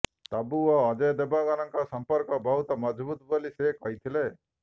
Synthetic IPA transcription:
t̪abuɔːd͡ʒəjd̪ebaɡanʌŋkasɔmpəɾkɔbɔɦut̪ɔmʌd͡ʒbut̪bɔlisekɔɦit̪ʰile

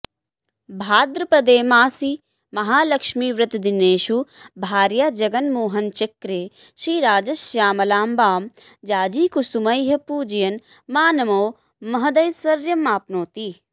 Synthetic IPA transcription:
bʱaːd̪ɾɐpɐd̪eːmaːsi | mɐɦaːlɐkʃmiːʋɾɐt̪d̪ineːʃubʱaːɾjaːd͡ʒɐɡɐnmoːɦɐnt͡ʃɐkɾeː | ʃɾiːɾaːd͡ʒɐsjaːmɐlaːmbaːm | d͡ʒaːd͡ʒiːkusumɐjɦɐpuːd͡ʒɐjɐn | maːnɐmoː | mɐɦɐd̪ɐjsʋɐɾjɐmaːpnoːt̪iː

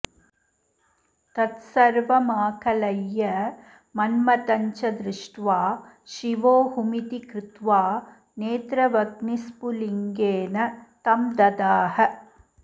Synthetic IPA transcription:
t̪ɐt̪sɐɾʋɐmaːkʰɐlɐjːɐ | mɐnmɐt̪ɐɲt͡ʃɐd̪ɾɪʂʈʋaː | ʃiʋoːhumit̪ikɾɪt̪ʋaː | neːt̪ɾɐʋɐɡnispuliŋɡeːnɐt̪ɐmd̪ɐd̪aːhɐ

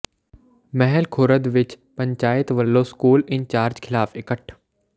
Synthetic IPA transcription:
mɛɦɛlkʰoːɾəd̪ʋɪt͡ʃ | pɐ̃ɲt͡ʃaːɪt̪ʋəlːoskuːlɪɲt͡ɕaːɾd͡ʑkʰɪlaːfɪkəʈʰ

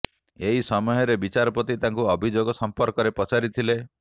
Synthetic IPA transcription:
eɦisɔmɔɦɔɾebit͡ʃaɾɔpɔt̪it̪aŋkuɔbʱid͡ʒoɡɔsɔmpɔɾkɔɾepɔt͡ʃaɾit̪ʰile

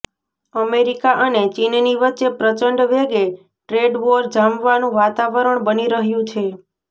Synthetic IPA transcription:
əmeɾikaʔənet͡ʃinniʋətːʃepɾət͡ʃəɳɖʋeɡe | ʈɾeɖʋoɾd͡ʒamʋanũʋat̪aʋəɾəɳbəniɾəɦjũt͡ʃʰe

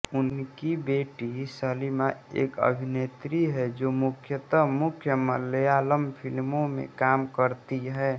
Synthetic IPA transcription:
ʊnkibeːʈisəlimaḛːkə̰bʱinet̪ɾiɦɛd͡ʒomʊkʰjət̪əmʊkʰjəməlːəjaːləmpʰɪlmõmḛ̃kaːmkəɾt̪iɦɛ

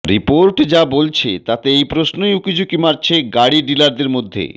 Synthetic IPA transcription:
ɾipoɾʈd͡ʑabolt͡ɕʰet̪at̪eejpɾosnojukid͡ʑukimaɾt͡ɕʰeɡaɽiɖilaɾd̪eɾmod̪ʱːḛ

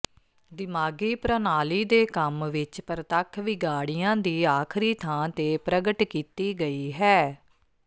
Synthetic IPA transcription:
d̪ɪmaːɡiːpɾənaːliːd̪eːkəmʋɪt͡ʃpəɾt̪akʰʋɪɡaːɽijãːd̪iːaːkʰɾiːt̪ʰãːt̪eːpɾəɡəʈkiːt̪iːɡəiːɦɛː

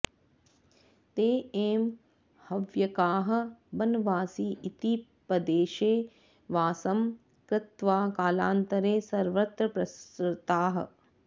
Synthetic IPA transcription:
t̪eːeːm | hɐʋjɐkaːɦɐ̆bɐnɐʋaːsiːit̪ipɐd̪eːʃeː | ʋaːsɐm | kɾɪt̪ʋaːkaːla̰ːnt̪ɐɾeːsɐɾʋɐt̪ɾɐpɾɐsɾɪt̪aːɦɐ̰̆

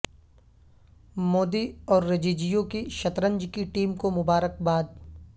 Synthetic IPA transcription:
moːd̪iɔːɾːed͡ʒiːd͡ʒijõkiʃɐt̪ɾə̃ɲd͡ʒkiʈiːmkomʊbaːɾək̚baːd̪̚

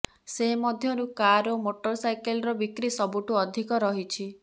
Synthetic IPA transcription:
seɦmɔd̪ʱjɔɾukaɾomoʈɔɾsajkelɔɾɔbikɾisɔbuʈuɔd̪ʱikɔɾɔɦit͡ʃʰi

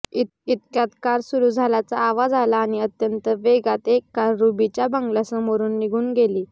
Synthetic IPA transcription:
it̪it̪kjat̪kaɾsuɾuːd͡zʱalat͡saːʋad͡zalaːñiət̪jənt̪əʋeɡat̪ekːaɾːubit͡ɕjabəŋɡlasəmoɾuːnːiɡʱuːnɡeliː

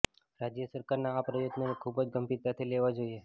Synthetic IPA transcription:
ɾad͡ʒjəsəɾkaɾnaːpɾəjot̪nənekʰubəd͡ʒɡəmpiɾt̪at̪ʰileʋad͡ʒoie

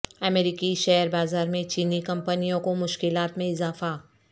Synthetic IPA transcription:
ɐmeːɾɪkiʃɛɦɾbaːzaːɾmẽt͡ʃiːnikɐ̃mpənijõkomʊʃkɪlaːt̪mẽɪzaːfa

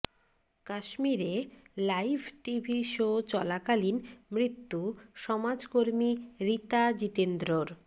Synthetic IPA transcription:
kaʃmiɾelajbʱʈibʱiʃot͡ɕɔlakalinmɾit̪ːuʃɔmad͡ʑkoɾmiɾit̪ad͡ʑit̪end̪ɾoɾ

